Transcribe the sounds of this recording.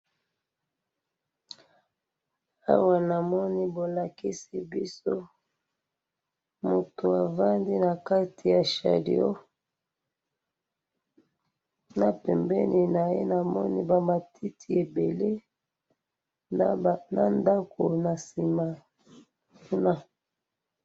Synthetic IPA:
a̰˦wa˨na˨mɔ˦ni˦bo˨la˨ki˦si˦bi˦so˦ | mo˨to˨a˨va˦ndi˦na˨ka˦tʰi˨ja˨ʃa̰˨dḭ˨o˦ | na˨pɛ˨mbɛ˦ni˨na˨je˦na˨mɔ˦ni˦ba˨ma˨ti˦tʰi˨e˨be˨le˦˨ | na̰˦nda˦ko˨na˨si˨ma˨ | ku˦na˦

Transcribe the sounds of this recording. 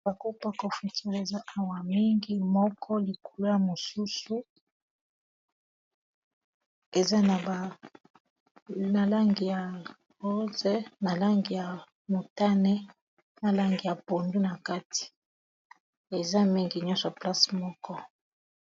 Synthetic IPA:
ba˨ko˦pa˦ko˨fi˨ti˦ʁe˨za˦ʔa˦wa˨mi˦ŋɡi˦mɔ˦kʰɔ˦li˨kʰo˨lo˦ja˨mo˨su˦su˦ | e˨za˦na˨ba˨ | a˨la˦ŋɡi˨ja˨ | ʁo˦ze˦na˨la˦ŋɡi˨ja˨ | mo˨ta˦nɛ˦ | na˨la˦ŋɡi˨ja˨po˨ndu˦na˨ka˦tʰi̥˨ | e˨za˦mi˦ŋɡi˨ɲɔ̃˦sa˨pla˦smɔ˦kɔ˦

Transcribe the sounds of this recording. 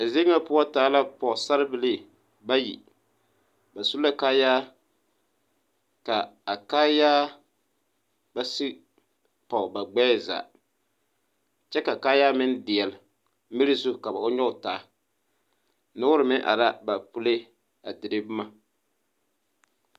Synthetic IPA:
a˨ze˦ŋa˦pʊ˦a˦taː˨˦la˦pɔ˨sa˦ɾɨ˦bɨ˨li˦ | ba˦jḭ˨ | ba˨su˦la˦kaː˦jaː˦ | ka˨a˨kaː˦jaː˦ | ba˦si˦ | pa˨ba˨ɡ͡bɛː˦˨za̰˨ | t͡ʃɛ˦ka˨kaː˦jaː˦mɪ˦n˦dɪ˨ɛ˨lɪ˨ | mi˦ɾɪ˦zʊ˦˨ka˨ba˨ʔʊ˦ɲɔ˦˨taː˨˦ | nʊ˦ʊ˦ɾɨ˨mɪ˦ʔa̰˨ɾa˦ba˨pu˦le˦ | a˨dɪ˨ɾɨ˦bma˦

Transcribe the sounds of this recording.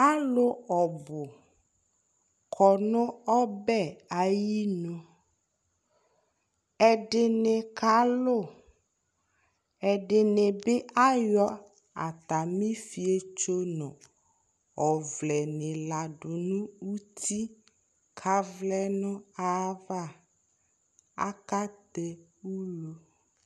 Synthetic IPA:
a˦lo˦ɔ˨bʊ˨ | kʰɔ˨nɔ̃˦ɔ˦bɛ˦a˨ji˦nõ˨ | ɛ˨ɖɪ˨ne˨ka˨˦lo˦˨ | ɛ˨ɖɪ˨ne˨be˦a˦jɔ˦ | a˨t̪a˨mĩ˦fi˨e˦t͡ʃo˦nɔ̃˨ | ɔ˨vlɛ˨nẽ˨la˨ɖo˨nũ˦u˦t̪ʰi˦ | kʰa˦vlɛ˦nɔ̃˦a˦va˦˨ | a̰˦ka˦t̪e˦wu˦lo˨

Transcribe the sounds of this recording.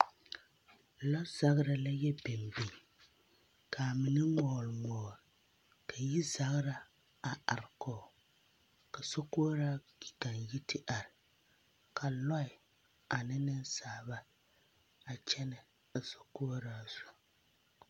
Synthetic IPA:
lɔ˦za˦ɣɾa˦la˦jɛ˦bɛ˨mbi˨ | kʰa˨mɨ˨nɨ˦ŋɔː˨lmɔː˨ɾ | ka˨ji˦za˨ɣɾa˦ | a˨a˨ɾɪ˨kɔː˨ | ka˨so˦koː˦ɾaː˦ | i˨ka˨nji˦tʰɨ˦ʔa˨ɾɪ˨ | kʰa˨lɔ˦ɪ˨ | a˨nɪ˦nɨ˦n˦saː˨˦˨ba˦ | a˨t͡ʃɛ˦nɨ˨ | a˨so˨ko˦ɾaː˦z̥u̥˨

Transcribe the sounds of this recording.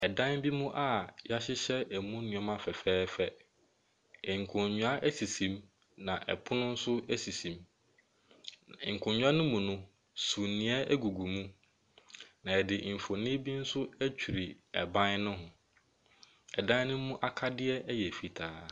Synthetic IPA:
ɛ˨dã˦nbi˦mũ˦ʔa˦ja˦ɕɪ˦ɕɛ˦æ˨mũ˦nʊ̃˨ɔ˦mã˦fɛ˨fɛː˦fɛ˦ | ɪ˨ŋ̩˨kʰʊ̃˨ɲɲũ˨a˦ʔæ˦si˨sĩ˨m | nã˨ʔɛ̰˨pʰʊ˦nʊ̃˦n̩˦sʊ˦æ˦si˨sĩ˨m˨ | ŋ̩˨kʰʊ̃˨ɲɲũ˦a˦nʊ̃˦mũ˨nʊ̃˦ | su˨nĩ˨˦ɛ˦æ˦ɡu˨ɡu˨mũ˦ | nã˨ɛ˨dɪ˨m̩˨fo˨nĩ˦bi˦n̩˦sʊ˦æ˦t͡ɕᶣʰu˨ɾi˨ɛ̰˨bã˦nnʊ̃˦ɦʊ̃˨ | ɛ˨dã˦n˦nʊ̃˦mũ˦ʔa˦kʰa˦dɪ˦ɛ˦jɛ˨fi˨tʰaː˨˦

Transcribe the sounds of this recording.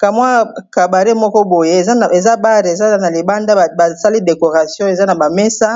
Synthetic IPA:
ka˨mwa˦ka˨ba˨ʁe˦mɔ˦kɔ˦bo˨je˦˨˦e˨za˦ba˦ʁza˦na˨li˨ba˦nda˦˨ba˨sa˦li˦de˨ko˨ʁa˨sjɔ̃˦e˨za˦na˨ba˨mɛ˦sa˦

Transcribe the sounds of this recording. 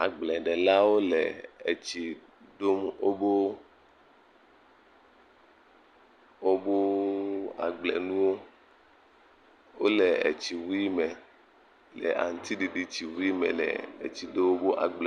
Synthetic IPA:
a̰˨ɡ͡blɛ˨ɖɛ˨la˦wo˦lɛ̰˨e˨t͡ɕi˨ | ɖo˦mwo˦bo˦ | wo˦bo˦ | a̰˨ɡ͡blɛ̰˨nũ˦wo˦ | wo˦lɛ˨ḛ˨t͡ɕi˨wu˦i˦mɛ˨ | lɛ̰˨ʔa̰˨ŋ̩˨t̪i˦ɖi˨ɖi˦t͡ɕi˨wu˦i˦mɛ̰˨lɛ̰˨ḛ˨t͡ɕi˨de˦wo˦bo˦ʔa̰˨ɡ͡blɛ˨

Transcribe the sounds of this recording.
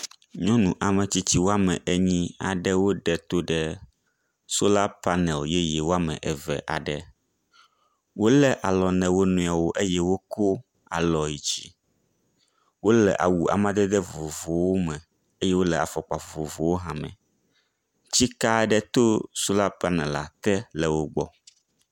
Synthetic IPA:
ɲɔ̃˦nũ˨ʔa˨mɛ̃˨t͡ɕi˦t͡ɕ̪i˦wo˦a˦mɛ̃˨ʔe˦ɲĩ˦a̰˨ɖɛ˦wo˦ɖɛ˨t̪o˦ɖɛ˦ | so˦la˦pa˦nɛ̃˨lje˦jɛ˨wo˦a˦mɛ̰̃˨ʔɛ˨vɛ̰˨ʔa̰˨ɖɛ˨ | wo˦lɛ˦ʔa˨lɔ˨nɛ̃˨wo˦nũ˨a˨wo˦ʔe˦jɛ˦wo˦ko˦ | a̰˨lɔ˨ji˨t͡ɕi˦ | wo˦lɛ˨ʔa̰˨wu˨a̰˨mã˦d̪ɛ˦d̪ɛ˦vo˨vo˨wo˦mɛ̃˨ | e˦jɛ˦wo˦lɛ˨a̰˨fɔ˨k͡pa˨vo˨vo˨vo˨wo˦ɦã˨mɛ̰̃˨ | t͡ɕi˦ka˦ɖɛ˦t̪o˦so˦la˦pa˦nɛ̃˨la˨t̪ɛ˦lɛ˨wo˦ɡ͡bɔ̰˦

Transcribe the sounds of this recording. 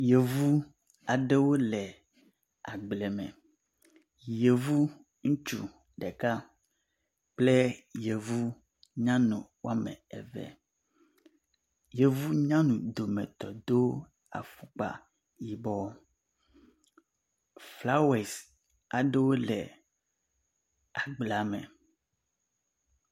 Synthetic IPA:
je˨vu˦ | a˨ɖe˦wo˦lɛ˨ | a˨ɡ͡blɛ˨mɛ̰̃˨ | je˨vu˦ | ŋũ˦t͡ʃṵ˨ | ɖɛ˨ka˦ | k͡ple˦je˨vu˦ | ɲã˦nũ˨wa˦mɛ̰̃˨ɛ̰˨vɛ̰˨ | je˨vu˦ɲã˦nũ˨d̪o˨mɛ̰̃˨t̪ɔ˨d̪o˦ | a̰˨fu˦k͡pa̰˨ | ji˨bɔ˦ | fla˦we˨s | a˨ɖe˦wo˦lɛ̰˨ | a˨ɡ͡bla˨mɛ̰̃˨

